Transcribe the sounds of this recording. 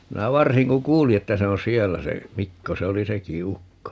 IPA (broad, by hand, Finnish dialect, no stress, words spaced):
minæ ʋɑrsiŋ ku kuːli etːæ se on sielːæ se mikːo se oli seki ukːo